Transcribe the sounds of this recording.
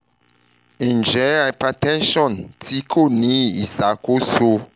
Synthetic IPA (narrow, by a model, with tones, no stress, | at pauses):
ĩ˨nd͡ʒɛ˨˦a˨pa˨tɛ̃˦nʃɔ̃˨ntʰi˦kʰo˦˨nĩ˦i˨sa˨˦ko˦so˦